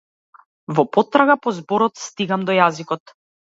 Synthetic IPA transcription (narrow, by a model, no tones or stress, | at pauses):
vɔpɔt̪ɾaɡapɔzbɔɾɔt̪st̪iɡamd̪ɔjazikɔt̪